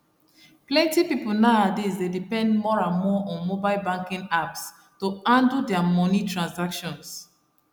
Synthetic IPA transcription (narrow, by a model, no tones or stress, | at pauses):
plɛ̃ntipipl̩naadisdedipɛ̃ndmɔɹãnmɔʔɔ̃nmobaɪlbãŋkĩŋaps | toãndudɛamɔnitɹãnsakʃɔ̃ns